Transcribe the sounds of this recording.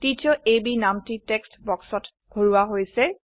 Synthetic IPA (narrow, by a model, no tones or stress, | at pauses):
titʰiɔʔebinamtitekstbɔksɔt | ɡ̥ʱoɹuwaɦojsɛ